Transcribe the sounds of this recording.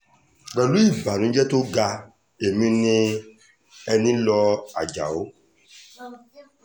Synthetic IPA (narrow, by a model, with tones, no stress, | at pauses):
na˨lu˦i˦˨ba˨nʊ̃˨˦d͡ʒɛ˦tʊ˦ɡa˦ | e˨mĩ˦nɪ˦ | ɛ˦nĩ˦lɔ˦a̰˨d͡ʒa̰˨ʊ˦